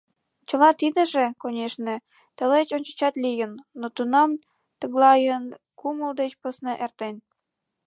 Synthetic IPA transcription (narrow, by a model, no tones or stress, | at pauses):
t͡ɕə̆lɑt̪id̪ə̆ʒekonʲeʃne | t̪ə̆let͡ɕonʲt͡ɕə̥̆t͡ɕɑt̪lʲijənːot̪unɑm | t̪əɣlɑjən | kuməld̪et͡ɕpəsnəʔert̪en